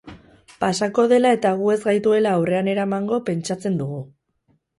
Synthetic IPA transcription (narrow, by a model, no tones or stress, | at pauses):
pasako̞ðe̞lae̞t̪aɣ̞ue̞zɣajt̪ue̞laːwre̞ane̞ɾamaŋɡo̞pe̞nt͡ʃat͡se̞nd̪uɣu